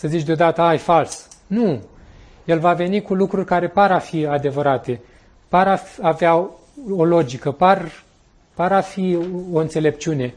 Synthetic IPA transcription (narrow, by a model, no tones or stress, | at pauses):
səzit͡ʃʲd̪eo̞d̪at̪əajfalsnu | je̞lvave̞nikulukɾurʲkaɾe̞paɾafiad̪e̞vəɾat̪e̞ | paɾafavea | o̞lo̞d͡ʒikəpar | paɾafio̞ɨnt̪se̞le̞pt͡ʃiune̞